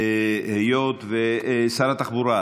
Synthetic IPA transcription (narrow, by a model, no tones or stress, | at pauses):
ehejot̪vesaɾat̪aχbuɾa